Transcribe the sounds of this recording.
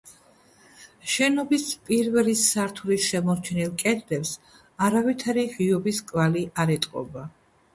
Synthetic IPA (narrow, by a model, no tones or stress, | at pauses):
ʃɛnɔbispʼiɾvɛlisːaɾt̪ʰuɾisʃɛmɔɾt͡ʃʰɛnilˠkʼɛd̪ɾɛps | aɾavit̪ʰaɾiʁiɔbiskʼvaliʔaɾɛt̪ʼqʼɔ̰ba